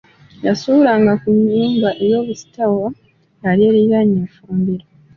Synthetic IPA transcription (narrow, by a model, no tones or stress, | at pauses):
jasulaːŋɡakuɲːuːmbaʔejo̞ːβusi̥tʰawo | jalieːɾiɾaɲeːfuːmbiɾa